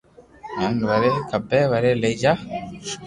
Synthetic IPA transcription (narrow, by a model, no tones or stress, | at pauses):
ɲaŋβaɾekabɛβaɾeled͡ʒa